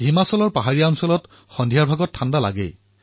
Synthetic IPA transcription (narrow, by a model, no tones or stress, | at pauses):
ɦimasɔlɔɹpaɦaɹijaɔnsɔlɔt | xɔndʱijaɹbʱaɡɔtʰːandala̰ɡɛ̰j